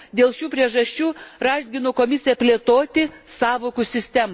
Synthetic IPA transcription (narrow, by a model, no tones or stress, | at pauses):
d̪ʲeːlˠʃʲuːpʲɾʲiɛʒɐʃʲt͡ʃʲuːɾɑːʒʲɡʲɪnoːkoːmʲɪsʲɪjɛpʲlʲeːt̪oːt̪ʲɪsɑːʋoːkʊsʲɪsʲt̪ʲɛmɐ